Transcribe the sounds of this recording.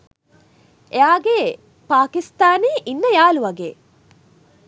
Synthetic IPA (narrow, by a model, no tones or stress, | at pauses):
ʔeaːɡe | paːkist̪aːniːʔinːəjaːluʋɐɡḛː